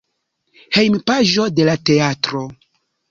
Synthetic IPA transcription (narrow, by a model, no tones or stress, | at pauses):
he̞jmpaʒo̞de̞late̞atɾo̞